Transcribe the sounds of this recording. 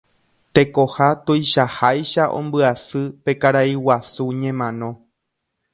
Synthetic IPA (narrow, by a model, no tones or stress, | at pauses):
t̪e̞ko̞hat̪ojʃahajʃaʔõ̰mbɨasɨpe̞kaɾaiwasuɲẽmãnõ̞